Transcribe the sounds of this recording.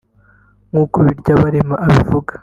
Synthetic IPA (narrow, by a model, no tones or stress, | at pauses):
ŋɡuːkoβiɾɟaβaɾemaʔaβivuɡḁ